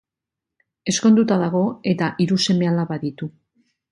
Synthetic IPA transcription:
e̞sko̞nd̪ut̪aðaɣ̞o̞e̞t̪aʔiɾuse̞me̞alaβaðit̪u

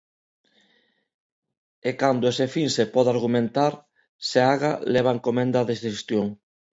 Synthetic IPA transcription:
ekand̪oesefiŋsepɔðaɾɣumẽnt̪aɾ | seaɣaleβ̞aŋkomẽnd̪aðesest̪joŋ

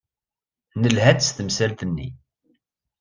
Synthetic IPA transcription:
nəlɦæt͡sːst̪əmsælt̪ənːḭ

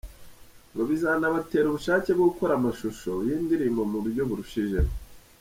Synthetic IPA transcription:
ŋɡoβizaːnaβate̞ːɾuβuʃaːce̞bɡoɡuko̞ɾamaʃuʃo̞jiːndiɾimomuɾuɾɟo̞βuɾuʃiʒeɾa

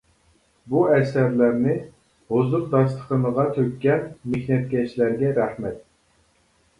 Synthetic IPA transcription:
buɛsæɾlæɾnɪ | hozʊɾd̪ɑst̪ʰə̥qənəʁɑt̪ʰøkʲːɛnmehnɛt̪̚kʲɛʃlæɾɡʲɛɾæhmɛt̪̚

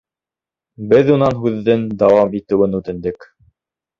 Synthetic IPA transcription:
bɘðunɑnɦʉðːɘnd̪ɑwɑmit̪ɘ̆wɘnʉt̪ɘ̆nd̪ɘk

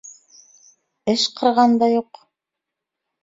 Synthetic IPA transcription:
ɘʃqʰɤ̆ɾʁɑnd̪ɑjuq

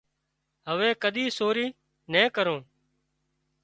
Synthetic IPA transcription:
ɦəʋeːkəɗ̪ʱiːsoːɾiː | nẽːkəɾõː

